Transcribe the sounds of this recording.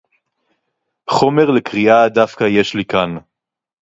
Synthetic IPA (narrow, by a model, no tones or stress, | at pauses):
χo̞me̞ʁlekʁiadavkaje̞ʃlikan